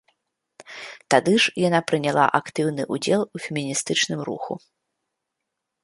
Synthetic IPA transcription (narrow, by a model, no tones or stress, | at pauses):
t̪ad̪ɨʐjanapɾɨnʲalˠa̰ʔakt̪ɨwnɨʔud͡zʲɛlˠufʲɪmʲinʲist̪ɨt͡ʂnɨmɾṵxṵ